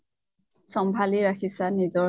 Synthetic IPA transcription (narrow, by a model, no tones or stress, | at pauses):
sɔmbʱaliɹakʰisanizɔ